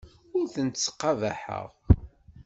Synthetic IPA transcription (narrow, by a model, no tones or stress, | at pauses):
ʊɾθənt̪t͡sːqːɑva̰ħə̰ʁ